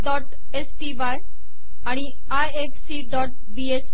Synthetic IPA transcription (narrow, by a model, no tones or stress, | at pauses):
ɖɔːʈ | eːsʈiʋaːj | aɽ̃i | ajefsiɖɔːʈ̚ | bies